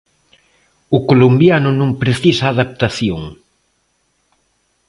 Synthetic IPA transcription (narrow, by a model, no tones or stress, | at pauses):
ʊkolombjanʊnõŋpɾeθisaːðap̚t̪aθjoŋ